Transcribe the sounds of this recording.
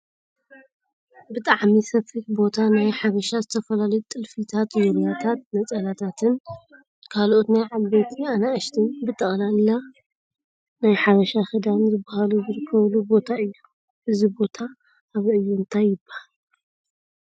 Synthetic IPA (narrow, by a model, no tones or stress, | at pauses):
bɨt̪ʼaʕmisɐfiħbo̞t̪ʰanajħaβɐʃazɨt̪ʰɐfɐlalɐjut̪ʼɨlfit̪ʰat̪zomjat̪ʰat̪̚nɐt͡sʼɐlat̪ʰat̪ʰɨn | kʰalʔo̞t̪najʕalbet̪ʰianaɨʃt̪ʰɨnbɨt̪ʼɐχʼlalːa | najħaβɐʃaxɨd̪anzɨbahaluzɨɾɨkʰːɐβlubo̞t̪ʰaɨjːu | ʔɨzibo̞t̪ʰaː | βɨjːuɨnt̪ʰajːɪbːahal